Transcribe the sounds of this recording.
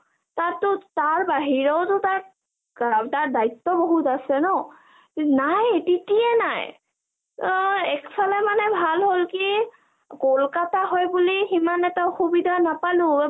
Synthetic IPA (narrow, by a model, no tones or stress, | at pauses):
tatʊtaɹbaɦiɹɔwtʊtaɹ | taɹdajt̪ːɔboɦutasɛnɔ | najtitiɛnaj | ɛkpʰalɛmanɛbʱalɦolki | kolkataɦɔjbuliximanɛtaoxubidʱanapalʊ̃